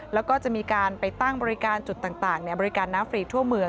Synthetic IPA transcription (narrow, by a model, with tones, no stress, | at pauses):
lɛː˦˥wkɔː˥˩t͡ɕa˨˩ʔmiː˧kaː˧npa˧jt̪a˥˩ŋbɔː˧ɾi˦˥kaː˧nt͡ɕu˨˩t̪̚ːaː˨˩ŋt̪aː˨˩ŋni˥˩bɔː˧ɾi˦˥kaː˧nːaː˦˥mfɾiː˧t̪ʰu˥˩əmɯ˧ə